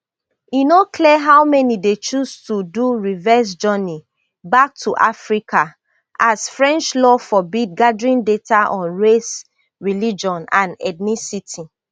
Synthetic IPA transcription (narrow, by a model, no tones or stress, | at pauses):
inokʰliɛɦawmɛnidet͡ʃustuduɹivɛs̬d͡ʒɔni | bak̚tʰuʔafɹikʰa | ʔasfɹɛ̃nt͡ʃlɔfɔbid̚ɡadɹĩndetaʔɔ̃nɹes | ɹilid͡ʒɔ̃nãnɛ̰dnisitʰi